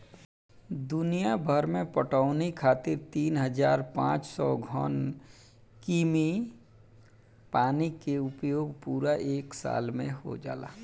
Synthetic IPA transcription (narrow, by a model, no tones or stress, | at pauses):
d̪ʊnijabʱəɾmẽpəʈaʊnikʰaːt̪ɪɾt̪iːnɦəd͡ʒaːɾpã̰ːt͡ʃsɔɡʱɔn | kiːmi | paːnikeʊpjoːɡpuːɾaʔeːksa̰ːlmḛ̃ɦo̰d͡ʒa̰ːla̰ː